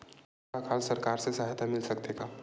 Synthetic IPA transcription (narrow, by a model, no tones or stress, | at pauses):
akʰalsəɾkaɾsesaɦt̪amɪlsəkt̪eka